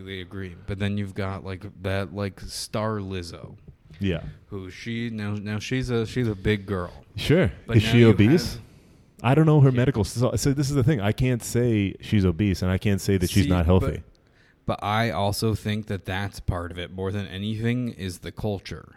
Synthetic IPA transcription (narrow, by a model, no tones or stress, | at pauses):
liɨɡɹib̥ʌt̪̚ðɨ̃njʉvɡɑt̚laɪkðɨt̚laɪkstɑɹlɪzo̰ʊ | jæ̰huʃinoʊnoʊʃizɨʃizɨbɪɡɜ˞lˠʃʊɹbʌɨz̥ʃioʊbis | ʔaɪɾõʊ̃nːoʊə˞mɛɾɨkl̩ˠzssoʊðɪs̬ɨzðɨθɪ̃ŋaɪkʰæ̃ntseɪʃizoʊbisɨ̃naɪkʰæ̃ntseɪðɨtʃiznət̚ɦɛlˠθḭ | b̥ʌɾʔaɪʔɔlˠsoʊθɪ̃ŋk̚ðɨt̪̚ðætspʰɑɹɾʌvɨt̚mɔɹðɨ̃nʔɛ̰niθɪ̃ŋɪzðɨkʰʌlˠt͡ʃə̰˞